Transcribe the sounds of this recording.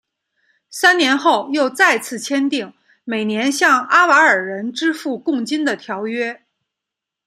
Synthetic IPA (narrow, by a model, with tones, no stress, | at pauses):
sa˥nnjɛ˧˥nxo˥˧ʊjo˥˧ʊt͡sa˥˧ɪt͡sʰɹ̩˥˩t͡ɕʰjɛ˥nt̪i˥˩ŋ | me˨˩ɪnjɛ˧˥nɕjɑ˥˩ŋa˥wa˧˥ə˞˨˩ɻə˧˥nʈ͡ʂɻ̩˥fu˥˧kʊ˥˩ŋt͡ɕi˥nd̪ə˨t̪ʰjɑ˧˥ʊɥɛ˥